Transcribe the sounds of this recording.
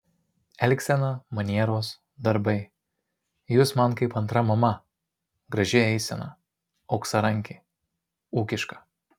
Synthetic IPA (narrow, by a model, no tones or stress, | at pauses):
ɛlʲkʲsʲɛnɐmɐnʲiɛɾoːs | d̪ɐɾbɐɪ | jusmɐnkɐɪpɐnt̪ɾɐmɐmɐ | ɡɾɐʒʲɪɛɪsʲɛnɐ̰ | ɒʊksɐɾɐŋʲkʲɪ | uːkʲɪʃkɐ̥